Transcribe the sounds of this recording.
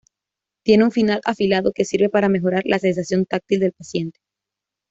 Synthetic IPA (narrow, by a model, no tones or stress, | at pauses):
t̪je̞neunfinalʔa̰filaðoke̞siɾβe̞paɾame̞xo̞ɾaɾlʔase̞nsasjo̞nt̪ak̚t̪ild̪e̞lpasje̞nt̪e̥